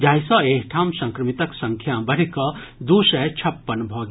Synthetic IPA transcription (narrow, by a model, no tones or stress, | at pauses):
d͡ʒaːjsɔ̃ekʰʈʰaːmsə̃ŋkɾəmit̪əksə̃ŋkʰjabəɽ̤ikɔ | d̪usɛt͡ʃʰɐpːənbʱɔːɡ